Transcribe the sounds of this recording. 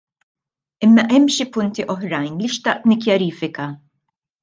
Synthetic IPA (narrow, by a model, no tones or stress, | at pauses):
ɪmːɐʔɛmːʃipʊnt̪iʔɔħɾɐjnliʃt̪ɐʔt̪nɪkjɐɾiːfɪkɐ